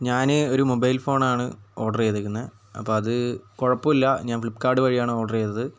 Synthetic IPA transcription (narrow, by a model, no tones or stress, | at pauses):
ɲaːneoɾumobɐjlfo̞ːɳaːɳɨ̰oːʈɐreːt̪ːɐkʲːunːɐ | ɐ̰pːo̞ːɐðɨkoɻɐpːɐilːɐɲaːnflipːkaːɖɨʋɐɻijaːɳɨoːɖɐrejːt̪ːɐðɨ